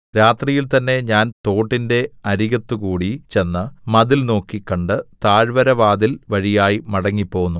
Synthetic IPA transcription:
ɾaːt̪rijilt̪ɐnːe̞ɲaːnt̪o̞ːʈːinde̞ɐɾiɣɐt̪ːukuːɽit͡ɕe̞nːɨmɐðilno̞ːkːikːɐɳɖɨt̪aːɻʋɐɾɐʋaːd̪ilʋɐɻijaːjimɐɽɐŋːipːo̞ːɣunːu

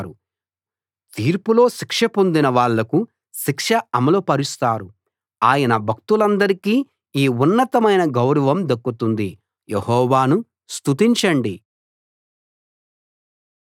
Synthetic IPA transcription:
ɾu | t̪iːɾpulo̞ːʃikʂɐpo̞nd̪inɐʋaːɭːɐku | ʃikʂɐɐmɐloːpɐɾist̪aːɾu | aːjɐnɐbʱɐk̚t̪ulɐnd̪ɐɾikiː | iːunːɐt̪ɐmɐjnɐɡɐwɾɐʋɐmd̪ɐkːut̪und̪i | jehɔːʋaːnu | st̪ut̪iɲt͡ʃɐɳɖi

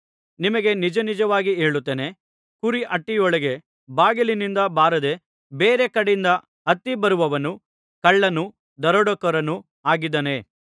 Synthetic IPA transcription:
nimɐɡe̞nid͡ʒɐnid͡ʒɐʋaːɡieːɭut̪ːeːne̞ | kuɾiʔɐʈːijɔɭɐɡe | baːɡɐlinind̪ɐbaːɾɐd̪e̞ | beːɾe̞kɐɽejind̪ɐ | ɦɐt̪ːibɐɾuʋɐʋɐnu | kɐɭːɐnu | d̪ɐɾɔɽɔkɐɾɐnu | aːɡid̪ɐne̞

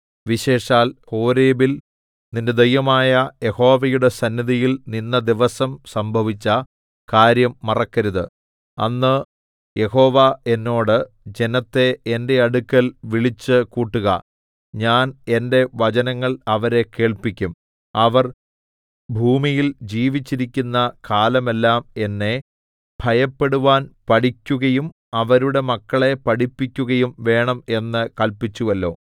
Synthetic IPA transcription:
ʋiɕe̞ːʂaːlho̞ːɾeːbil | ninde̞d̪ejɐmaːjɐje̞ho̞ːʋɐjuɽe̞sɐnːiðijilninːɐd̪iʋɐsɐmsɐmbʱɐʋit͡ɕːɐ | kaːɾjɐmːɐrɐkːɐɾuðɨ̰ | ɐ̰nːɨ | je̞ho̞ːʋɐe̞nːo̞ːɽɨ | d͡ʑe̞nɐt̪ːe̞ende̞ɐɽukːɐlʋiɭit͡ɕːɨkuːʈːuɣɐ̰ | ɲaːne̞nde̞ʋɐɐnɐŋːɐɭɐʋɐɾe̞ke̞ːɭpikʲːum | ɐʋɐr | bʱuːmijild͡ʑiːʋit͡ɕːiɾikʲːunːɐkaːlɐme̞lːaːme̞nːe̞ | b̥ʱɐjɐpːe̞ɽuʋaːnpɐɽikʲːuɣɐjum | ɐʋɐɾuɽe̞mɐkːɐɭe̞pɐɽipːikʲːuɣɐjumʋe̞ːɳɐme̞nːɨkɐlpit͡ɕːuʋɐlːo̞̰ː

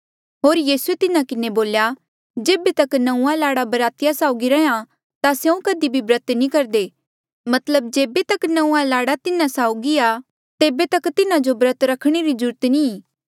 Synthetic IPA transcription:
ɦoːɾjiːsuet̪ɪnakɪneboːlja | d͡ʒeːbet̪ɐknɐ̃ũãlaːɽabɐɾaːt̪ɪjasaːʊɡiɾɐɦã | t̪asjɐũkəd̪ibʱibɾət̪nĩkɐɾd̪eː | mɐt̪ləb̚d͡ʒeːbet̪ɐknɐ̃ũãlaːɽat̪ɪnãsaːʊɡia | t̪eːbet̪ɐkt̪ɪnad͡ʒobɾət̪ɾɐkʰɽ̃eɾid͡ʒʊɾt̪nĩ

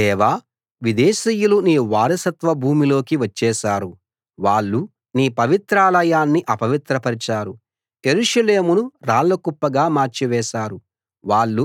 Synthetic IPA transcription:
ɛːʋaː | ʋid̪ɛːʃiːjuluniːʋaːɾɐsɐt̪ʋɐbʱuːmilo̞ːkiʋɐt͡ʃːɛːʃaːɾu | ʋaːɭːu | niːpɐʋit̪ɾaːlɐjaːnːiʔɐpɐʋit̪ɾɐpɐɾit͡ʃaːɾu | e̞ɾuʂɐleːmunuɾaːɭːɐkupːɐɡaːmaːɾt͡ʃiʋɛːʃaːɾu | ʋaːɭːu

